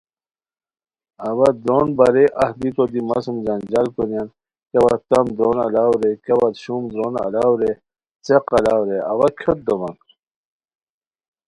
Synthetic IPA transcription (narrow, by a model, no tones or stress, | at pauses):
ɐwɐd̪ɾonbɐɾeʔɐhd̪it̪od̪imɐsumd͡ʑɐnd͡ʑalkunijan | kɐwa̰t̪ɐmd̪ɾonɐ̰lawɾekɐwat̪ɕumd̪ɾonɐ̰lawɾe | t͡seqɐlawɾeɐwakʰot̪̚d̪owɐnɾ